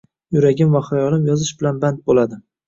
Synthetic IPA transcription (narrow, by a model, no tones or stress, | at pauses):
jʊɾaɡʲɪmvaχajɒlɪmjɒzɪʃbɪlanbant̪̚bolad̪ɪ